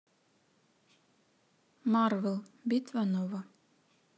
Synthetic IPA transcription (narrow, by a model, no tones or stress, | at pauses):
marvelˠbit̪vanova